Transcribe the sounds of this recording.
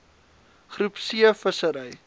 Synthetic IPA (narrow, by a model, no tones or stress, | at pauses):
χrupsiəfəsəɾəj